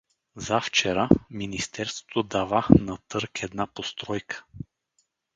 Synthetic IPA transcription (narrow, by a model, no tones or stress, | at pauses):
zaft͡ʃɛɾaminist̪ɛɾst̪vo̥t̪od̪avanɐt̪ɤɾkʰɛd̪napost̪ɾɔjkʰə̥